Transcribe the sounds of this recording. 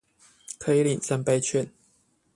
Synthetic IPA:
kʰɤ˧˥i˨˦li˨˩nsa˥˧npe˥˧ɪt͡ɕʰɥɛ˥˨n

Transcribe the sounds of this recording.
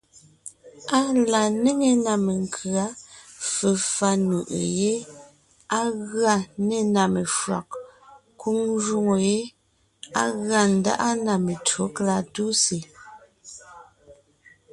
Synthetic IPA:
a˦la˨ne˦ŋe˨na˨me˨ŋkʰɰa˨˦fe˨fa˦nu˨ʔḛ˨je˦ | a˦ɣɰa˦˨ne˦˨na˨me˨fwa̰˨k̚ | ku˦ŋʒu˦ŋo˨je˦ | a̰˦ɣɰa˨n̩˨da̰˦ʔa˦na˨me˨to˨˦kla˦˨tu˦se˨

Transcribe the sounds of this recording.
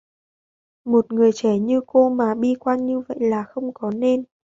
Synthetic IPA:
mo˨˩t̚ŋɨ˨˩əjt͡ɕɛ˧˩ɲɨ˧ko˧maː˨˩ɓi˧kwaː˧nɲɨ˧və̰˧˨jlaː˨˩xə˧wŋ͡mkɔ˨˦ne˧n

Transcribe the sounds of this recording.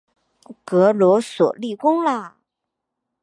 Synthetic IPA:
kɤ˧˥lwɔ˧˥swɔ̰˨˩li˥˩kʊ˥ŋlə˨

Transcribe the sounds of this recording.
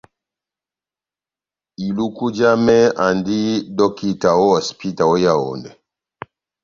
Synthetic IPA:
i˨lu˦ku˦d͡ʒa˦mɛ˦a˨ndi˦dɔ˦ki˦ta˨wɔ˦ɔ˨spi˦ta˨wɔ˦ja˦˨ɔ̰˨ndɛ˨

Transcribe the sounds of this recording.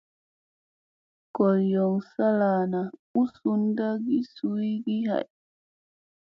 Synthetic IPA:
kɔ˨ljɔ˨ŋsa˦laːna˨u˦su˦nda˦ɡi˦su˦jɡi˦ha̰˨j

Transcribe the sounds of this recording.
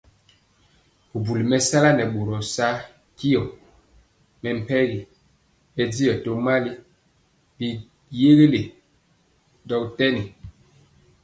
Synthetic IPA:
u˨bu˨li˨mɛ˦sa˦la˦nɛ˨ɓo˨ɾɔ˨sa˦ | ki˦ɔ˨ | mɛ˨m̩˨pɛ˦ɣi˨ | bɛ˦di˦jɔ˨to˦ma˦li˦ | bi˨ | je˦ɣe˦le˨ | dɔ˨ktɛ˦ni˨

